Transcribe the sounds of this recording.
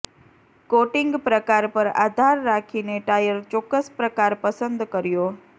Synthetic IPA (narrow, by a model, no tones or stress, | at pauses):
koʈɪŋɡpɾəkaɾpəɾa̰d̪ʱaɾːakʰineʈajəɾt͡ʃɔkːəspɾəkaɾpəsənd̪kəɾjo